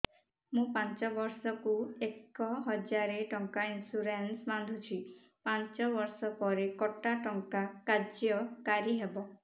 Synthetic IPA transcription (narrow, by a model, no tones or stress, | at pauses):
mũpant͡ʃɔbɔɾsɔkuekːɔɦɔd͡ʒaɾeʈɔŋkainsuɾensband̪ʱut͡ʃʰi | pant͡ʃɔβɔɾsɔpɔɾekɔʈaʈɔŋkakad͡ʒjɔkaɾiɦebɔ